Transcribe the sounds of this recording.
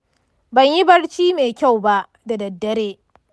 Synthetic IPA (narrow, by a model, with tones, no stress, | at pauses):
bɐ˨ɲji˦bɐ˦ɽt͡ʃiː˦meː˨kʲa˦˨wba˦ʔ | da˨dɐ˨dːɐ˦ɾeː˦